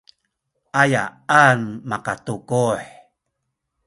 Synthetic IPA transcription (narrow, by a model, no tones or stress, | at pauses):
ʔaja̰anmakatukuħ